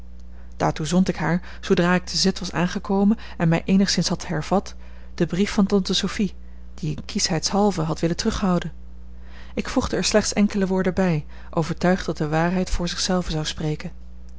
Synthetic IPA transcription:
d̥aːɹtuzɔntɪkɦaːɹ | z̥owdraːɪk̚təzɪtʋɑsa̰ːnχəkowmən | ɛnmɛjʔejnəχsɪnsɦɑthɛɹv̥ɑt | d̥əbrifɑntɔntəsofi | d̥iənkisɦɛjtsɦɑlˠvəɦɑtʋɪləntrɵχɦɑwdən | ɪkfuχdəɛːɹslɛχtsɛŋkələʋʊːɹdəbɛj | ʔowvəɹtœɥχddɑt̚dəʋaːɹɦɛjtfʊːɹzɪχsɛlˠvəzɑwsprejkən

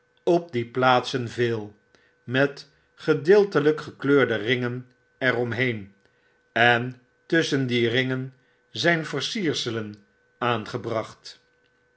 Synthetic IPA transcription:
ɔp̚diplaːtsənvɪːlˠ | mɛt | χədɪːlˠtələkχəkløːɹdərɪŋən | ɛrɔmɦejn | ɛn | tɵsəndirɪŋən | zɛjnvəɹsiːɹsələn | aːnχəbrɑχt

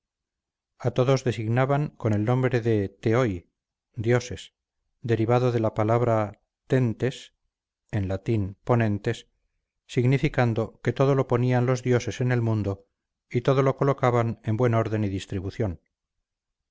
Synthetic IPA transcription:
at̪o̞ðo̞zðe̞siɣnaβaŋko̞ne̞lnõ̞mbɾe̞ðet̪eoj | d̪jo̞se̞s | d̪e̞ɾiβaðoðe̞lapalaβ̞ɾa | t̪e̞nt̪e̞s | e̞nlat̪inpo̞nẽ̞nt̪e̞sː | iɣnifikand̪o̞ke̞t̪o̞ð̞o̞lo̞po̞nianlo̞zðjo̞se̞se̞ne̞lmũnd̪o̞ | it̪o̞ðo̞lo̞ko̞lo̞kaβane̞mbwe̞no̞ɾðe̞niðist̪ɾiβuθjo̞n

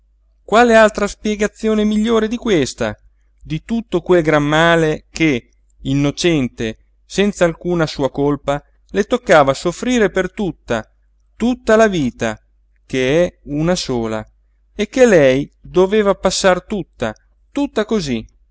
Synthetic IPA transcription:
kwaːlealt̪ɾaspjɛɡat̪sːjoːnemiʎːoːɾed̪ikwest̪a̰ | d̪it̪ut̪ːokwelɡɾamːaːlek̟e | inːot͡ʃɛnt̪e | sɛnt̪saːlkuːnasuːakolpa | let̪okːaːvasofɾiːɾepert̪ut̪ːa | t̪ut̪ːalaviːt̪a | keɛunasoːla̰ | ekːelɛjd̪oveːvapasːart̪ut̪ːa̰ | t̪ut̪ːakozi

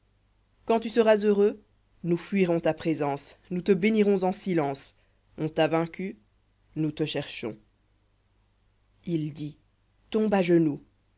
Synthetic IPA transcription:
kɑ̃t̪ysəʁazøʁø | nufɥiʁɔ̃t̪apχezɑ̃snut̪əbeniʁɔ̃zɑ̃silɑ̃s | ɔ̃t̪avɛ̃kʲy | nut̪əʃɛʁʃɔ̰̃ | ild̪i | t̪ɔ̃baʒənu

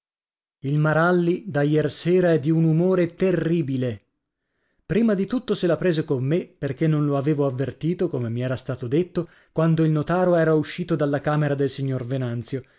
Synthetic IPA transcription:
ilmaɾalːid̪ajɛrseːɾaɛd̪ːiunumoːɾet̪erːiːbile | pɾiːmad̪it̪ut̪ːoselapɾeːzekomːeperk̟enːonloaveːvoavːert̪iːt̪okomemiɛːɾast̪aːt̪od̪et̪ːo | kwand̪oilnot̪aːɾoɛːɾauʃːiːt̪od̪alːakaːmeɾad̪elsiɲːorvenant̪sjo

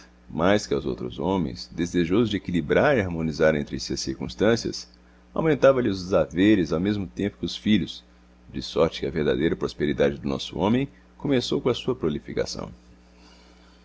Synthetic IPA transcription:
majskɪa̰wzo̰wt̪ɾʊ̰zõmḛ̃j̃sd̪ezeʒozʊd͡ʒɪekilibɾaɾiaɾmõnizaɾẽnt̪ɾɪsɐsiɾkṵ̃st̪ɐ̃siɐ̰s | a̰wmẽnt̪avɐlɪʊzd͡ʒezaveɾɪzawmezmʊt̪ẽmpʊ̥kɪʊsfiʎʊs | d͡ʒɪsɔɾt͡ʃɪ̥kɪɐveɾd̪a̰d̪ejɾɐpɾospeɾid̪ad͡ʒɪd̪ʊnɔ̰sʊ̰õmẽj̃ | kõmesowkõɐsuɐpɾolifika̰sɐ̰̃w̃

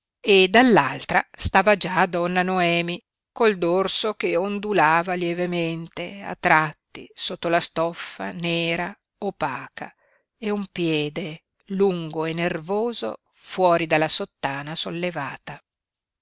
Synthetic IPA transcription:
ed̪alːalt̪ɾa̰st̪aːvad͡ʒad̪ɔnːanoɛːmi | kold̪orsok̟eond̪ulaːvaljɛvement̪ea̰t̪ːɾat̪ːḭsot̪ːolast̪ɔfːa̰nɛːɾa | opːaːkʰa̰ | eumpjɛːd̪e | luŋɡoenːervoːzo̰ | fwɔːɾid̪alːasot̪ːaːnasolːevaːt̪a

